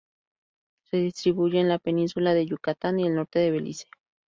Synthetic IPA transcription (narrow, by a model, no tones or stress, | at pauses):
se̞ðist̪ɾiβujeːnlapeninsulaðe̞ʝukat̪anielno̞ɾt̪eðeβelḭse̥